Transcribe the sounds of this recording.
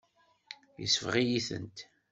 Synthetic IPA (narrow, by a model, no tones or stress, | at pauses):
jə̰sfʁijiθə̰nt̪